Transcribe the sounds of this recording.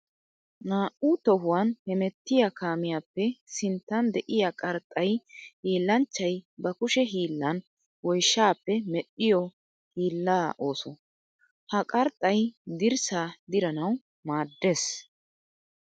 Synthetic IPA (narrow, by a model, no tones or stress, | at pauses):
naːʔut̪ɔɦʊwɐnhɛmɛt̪ːɪjakʰaːmɪjaːpːɛsɪnt̪ːɐnd̪ɛʔɪjakʼɐɾt̪ʼɐjhiːlːɐnt͡ʃːɐjbɐkʊʃɛɦiːlːɐn | wɔjʃːaːpːɛmɛɗːɪjɔ | hiːlːaːʔo̞ːsɔ | hɐkʼɐɾt̪ʼːɐjd̪ɪɾsaːd̪ɪɾɐnɐw | maːd̪ːe̞ːs